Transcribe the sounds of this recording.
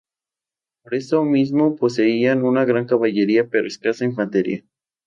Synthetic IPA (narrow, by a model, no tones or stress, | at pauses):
poɾe̞somizmopo̞se̞ianunaɣɾaŋkaβaʝe̞ɾiape̞ɾoeskasainfant̪eɾja̰